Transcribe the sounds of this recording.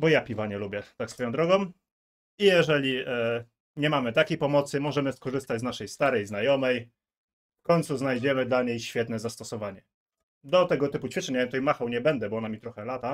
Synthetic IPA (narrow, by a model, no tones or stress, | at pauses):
bɔjapʲivaɲɛlubʲjɛt̪aksfɔjɔw̃d̪ɾɔɡɔ̃m | ijɛʐɛlʲi | ɲɛmamɘt̪akʲejpɔmɔt̪sɘmɔʐɛmɘskɔʐɘst̪ad͡ʑznaʂɛjst̪aɾɛjznajɔmɛj | fkɔɲt̪suznajd͡ʑɛmɘd̪laɲejɕfʲjɛt̪nɛzast̪ɔsɔvaɲɛ | d̪ɔt̪ɛɡɔt̪ɘput͡ɕfʲit͡ʂɛɲavjɛmt̪ɔijmaxɛwɲɛbɛnd̪ɛbɔɔnamʲit̪ɾɔxɛlat̪a